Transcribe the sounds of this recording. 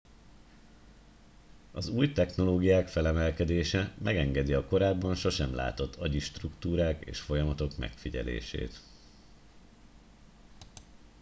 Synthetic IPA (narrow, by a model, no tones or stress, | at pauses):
ɒzuːjt̪ɛxno̞loːɡijaːkfɛlɛmɛlkɛd̪eːʃɛmʔɛɡɛŋɡɛd̪iɒko̞ɾaːbːɒnʃo̞ʃɛmla̰ːt̪o̞t̪ʰːɒɟiʃt̪rukt̪uːɾaːkḛːʃfo̞jɒmɒt̪o̞kmɛ̰kfiɟɛ̰lḛːʃḛːt̪